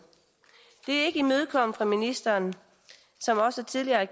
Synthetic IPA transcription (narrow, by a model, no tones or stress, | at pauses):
d̥e̝æɐe̝ɡ̥əimøð̞ˠkʰɒ̽m̰fʁɑ̈minisd̥ɐːn | sɒ̽mɒ̽səæt͡sʰiðˠliɐæɡ